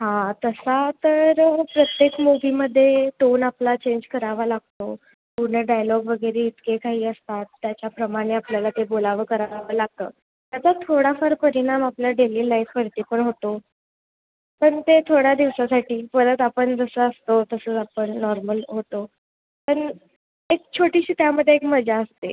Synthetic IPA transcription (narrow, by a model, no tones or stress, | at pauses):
ɦãt̪əsat̪əɾpɾət̪jekmoʋiːməd̪ʱːjeʈonaplat͡ɕeɲd͡ʑkəɾaʋalaɡ̚t̪o | puɾɳəɖajlɔɡʋəɡəɾeit̪kekaɦiːəst̪at̪ːjat͡ɕapɾəmaɽ̃eapljalat̪ebolaʋəkəɾaaʋalaɡ̚t̪ə̰ː | t̪jat͡sat̪ʰoɽafəɾpəɾiɽ̃amapljaɖeliːlajfpəɾt̪ipəɳɦot̪o | pəɳt̪et̪ʰoɽjad̪iʋsasaʈiːpəɾət̪apəɳd͡zəsəːəst̪ot̪əsəːt͡sapəɳːɔɾməlɦot̪o | pəɳ | ek̚t͡ɕʰoʈiɕiːt̪jaməd̪ʱːjeekməd͡ʑaəst̪e